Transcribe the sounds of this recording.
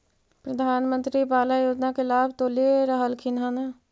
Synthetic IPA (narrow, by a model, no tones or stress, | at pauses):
pɾəd̪ʱaːnmə̃nt̪ɾipaːlajoːd͡ʒnakelaːbʱt̪oːleɾəɦəlkʰɪnɦaːna